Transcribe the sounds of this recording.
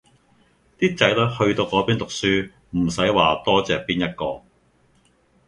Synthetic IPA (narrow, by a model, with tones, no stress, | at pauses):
t̪iː˥t͡sɐ˨˥jlɐ˥hɵ˧ɥt̪o˧wkɔː˨˥piː˥nt̪ʊ˨k̚syː˥ | m̩˨˩sɐ˨˥jwaː˨t̪ɔː˥t͡sɛː˨k̚piː˥njɐ˥t̚kɔː˧